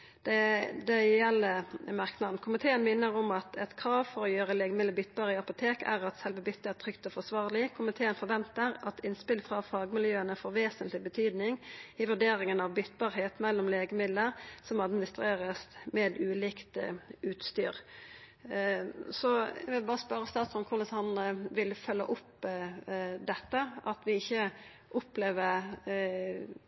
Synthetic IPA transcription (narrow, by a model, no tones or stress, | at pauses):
d̪̥ɛd̪ɛjɛlːəmɑʁknɑd̪nkʰʊmɪt̪ʰeːənmɪnːəʁɔmɑt̪ʰɛt̪kʰɾɑːʋfɔɾɔjøːʁəleːɡəmɪd̪əbʏt̪ːbɑːʁəɪɑpʊt̪ʰeːkæ̰ʁɑt̪sɛlʋəbʏt̪ːəæʁt̪ʰʁʏkt̪ɔfɔsʋɑːʁlɪkʰʊmɪt̪ʰeːənfɔʁʋɛnt̪əɾɑt̪ʰɪnspɪlfʁɑfɑːɡmɪljøːənəfoːɾʋeːsənt̪lɪbət̪ʰyːd̪nɪŋɪʋʉɖeːɾɪŋənɑʋbʏt̪ːbɑːʁheːt̪mɛlːɔmleːɡəmɪd̪ləɾsɔmɑd̪mɪnɪst̪ɾeːʁəsmɛːd̪ʉːlɪːkt̪ʉːt̪st̪y̰ːʁ | sɔɛ̰ʋɪlbɑːʁəspœɾəst̪ɑːt̪sɔnkʰʊləsɑnnəʋɪlfœlːə̰ʔʊp | d̪ɛt̪ːəɑt̪ʋɪɪçːə | ʔʊpleːʋəɾ